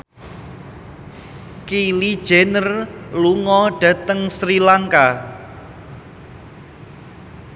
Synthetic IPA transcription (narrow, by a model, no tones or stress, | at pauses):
kilid̥ʒ̥enərluŋɔɖ̥ä̤t̪əŋsɾilaŋka